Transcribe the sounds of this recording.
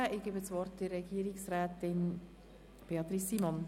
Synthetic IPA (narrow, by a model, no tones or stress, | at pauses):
əʔɪɡ̥ebəsʋɔɾtd̥ərːɛɡ̥iːəɾɪksɾæːtɪn | b̥eɑt̪ɾisːimɔn